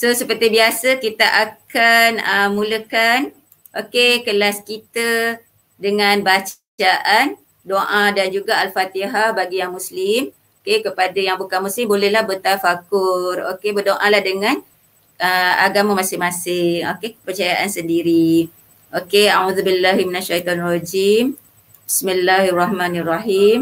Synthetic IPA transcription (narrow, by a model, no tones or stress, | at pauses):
sosəpərt̪ibiasakit̪aʔakanəmũləkan | ʔokekəlaskit̪ə | dəŋãnbat͡ʃ | aʔan | doʔãdand͡ʒuɡaalfat̪iɦabaɡijaŋmũslɪm | okekəpadajaŋbukanmuslɪmbolɛhlahbət̪afakʊro̰kebərdoʔãlahdəŋãn | əa̰ɡamamãsɪmãsɪŋokekə̥pərt͡ʃajaʔansəndiɾi | ʔokeauðubilːaɦminaʃat̪ɔnrad͡ʒim | bismilːaharɑhmanraɦim